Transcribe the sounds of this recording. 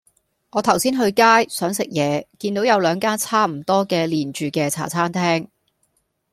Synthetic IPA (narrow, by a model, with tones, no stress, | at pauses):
ŋɔː˨˧t̪ʰɐ˨˩wsiː˥nɦɵ˧ɥkaː˥jsœː˨˥ŋsɪ˨k̚jɛː˨˧kiː˧nt̪o˨˥wjɐ˨˧wlœː˨˧ŋkaː˥nt͡sʰaː˥m̩˨˩t̪ɔː˥kɛː˧liː˨˩nt͡ʃyː˨˧kɛː˧t͡sʰa̰ː˨˩t͡sʰaː˥nt̪ʰɛː˥ŋ